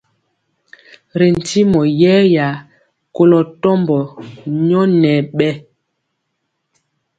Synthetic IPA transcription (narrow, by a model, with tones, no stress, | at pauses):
ɾe˨n̩˨ti˦mɔ˨jɛː˦ja˨ | ko˦lɔ˨tɔ˦mbɔ˨ɲɔ˦nɛ˨ɓɛ˦